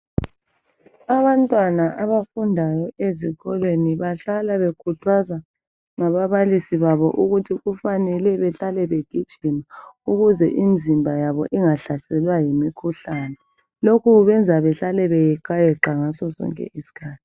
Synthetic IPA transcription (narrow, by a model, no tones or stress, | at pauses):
aβantʼwanaʔaβafundʱajɔeziɣɔlweniβaɬalaβekʰutʰwaza | ŋaβaβalisiβaβɔ̰ʔuɣutʰiɣufanɛlɛβɛɬalɛβeɡ̥ʱid̥ʒ̥ʱimauɣuzɛ̰ʔind͡zʱimbʱajaβɔ̰ʔiŋaɬasɛlwajimikʰuɬaːnɛ | lokʰuβɛnd͡zʱaβɛɬalɛβɛjɛǃajɛǃaŋasɔsɔ̰ŋkʼɛ̰ʔisi̥kʰaːtʰi̥